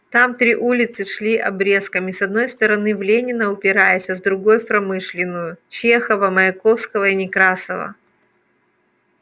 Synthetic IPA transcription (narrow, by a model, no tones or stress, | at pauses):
t̪amt̪ɾʲiʔulʲɪt̪sɨʂlʲiʔɐbɾʲe̞skəmʲisɐd̪̚no̞jst̪əɾɐnɨvlʲenʲɪnəʊpʲɪɾajɪsʲəzd̪ɾʊɡo̞jpɾɐmɨʂlʲɪnːʊjʊt͡ɕexəvəmɐɪko̞fskəvəinʲɪkɾasəvə̰